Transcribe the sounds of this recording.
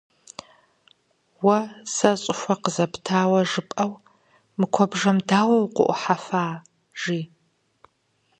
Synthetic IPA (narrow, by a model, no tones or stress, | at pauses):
wɐsɐɕʼɪxʷɐqəzɐptʰaːwɐʒɨpʼɐw | mɨkʷʰɔbʐɐmdaːwɐwqʷʊ̰ʔʷʊ̰ħafaː | ʒ̥iː